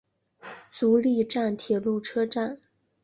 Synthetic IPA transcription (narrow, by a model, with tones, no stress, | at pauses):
t͡su˧˥li˥˧ʈ͡ʂa˥˩nt̪ʰjɛ˨˩lu˥˩ʈ͡ʂʰɤ˥ʈ͡ʂa˥˩n